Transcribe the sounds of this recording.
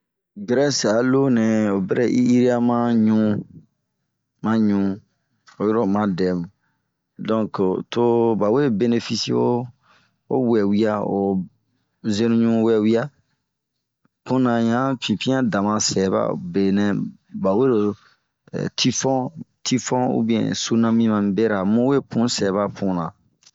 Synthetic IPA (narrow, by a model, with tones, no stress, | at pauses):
ɡɾɛ˦sa˨lo˦nɛ̃˨o˨bɛ˦ɾɛ˨ʔi˦i˦ɾi˦a˦mã˦ɲũ˦ | mã˦ɲũ˨ | o˨jo˦ɾo˨mã˦dɛ˨mũ˨ | dɔ̃˦kto˦ba˨we˦be˦ne˨fi˦si˦wo˦ | o˦wɛ˨wi˦a˦o˨ | zẽ˦nũ˦ɲũ˦wɛ˨wi˦a˦ | kũ˦nã˨jã˦fĩ˨pĩ˦ã˦dã˨mã˧sɛ˨ba̰˦˨be˨nɛ̃˨˦ | ba˨we˦ɾo̰˨ | tʰi˦fɔ̃˦tʰi˦fɔ̃˦ṵ˦bĩ˦ɛ̰̃˨su˦nã˦mĩ˦mã˨mĩ˨be˦ɾa˨mũ˦we˦pũ˦sɛ˨βa˦pʰũ˦nã˨